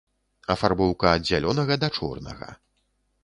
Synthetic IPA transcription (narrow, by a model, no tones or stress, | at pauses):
ɐfarbɔwkɐːd̪d͡zʲːalʲɔnɐɣɐd̪ɐt͡ʂɔ̰rnɐ̰ɣɐ̰